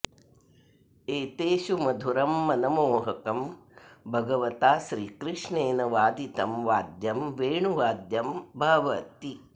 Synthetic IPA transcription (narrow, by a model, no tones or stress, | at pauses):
eːt̪eːʃumɐd̪ʱuɾɐmːɐnɐmoːɦɐkɐmbʱɐɡɐʋɐt̪aːʃɾiːkɾɪʂɳeːnɐʋaːd̪it̪ɐmʋaːd̪jɐmʋeːɳuʋaːd̪jɐmbʱɐʋɐt̪i